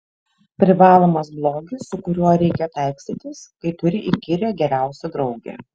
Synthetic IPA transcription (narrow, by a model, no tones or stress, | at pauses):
pʲɾʲɪʋɑːlˠoːmɐsblˠoːɡʲɪsʊkʊɾʲuɔɾʲɛɪkʲɛt̪æˑɪksʲt̪ʲɪt̪ʲɪskɐɪt̪ʊɾʲɪʔikʲɪɾʲeːɡʲɛɾʲæˑʊsʲɛd̪ɾɒʊɡʲḛː